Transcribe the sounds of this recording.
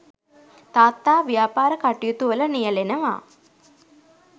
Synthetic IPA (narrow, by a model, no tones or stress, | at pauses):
t̪aːt̪ːaːʋijaːpaːɾəkaʈijut̪uʋələnijəlenəʋa̰ː